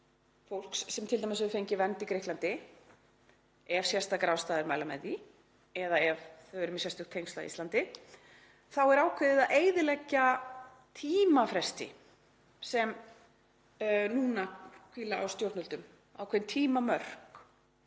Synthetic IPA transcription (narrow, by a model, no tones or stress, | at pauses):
fowl̥ksːɛmt̪ʰɪlt̪amɪsvʏfejɲcɪvɛnt̪ikɾɪhklant̪ɪ | ɛv̥sjɛst̪akɾaːwst̪aːðɪɾmaːjlamɛ̰ði | ɛðaɛvθœɥɾʏmsjɛst̪ʏkt̪ʰejŋst̪a̰ḭslant̪ɪ | θawɛɾaːwkʰɛðɪðaʔeːjðɪlɛcːa | t̪ʰiːmafɾɛst̪ɪ̰ | sɛm | nuːnakʰiːlaʔa̰wst̪jowɾt̪nʏlt̪ʏm | a̰wkʰvɛðnt̪ʰiːmamœr̥k